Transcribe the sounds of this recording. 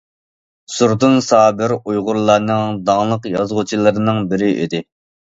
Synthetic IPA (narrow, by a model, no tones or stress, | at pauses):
suɾd̪unsɑːbɪɾujʁʊɾlˠɑɾnɨŋd̪ɑŋlˠəqjɑzʁʊt͡ʃʰilˠɨɾɨnɨŋbɪɾɪʔḭd̪ɪ